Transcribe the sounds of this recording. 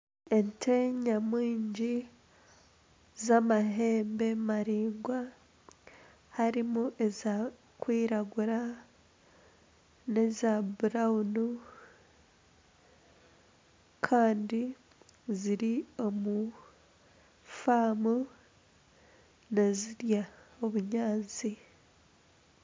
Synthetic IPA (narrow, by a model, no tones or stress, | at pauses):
e̞ntʰeɲamwiːɲɟi | zamaɦe̞ːmbe̞maɾiːŋɡwa | haɾimuʔe̞za | kwiːɾaɡuɾa | ne̞zabuɾaunu | kʰaːndi | ziɾio̞mu | faːmu | neziɾjaoβuɲaːnt͡si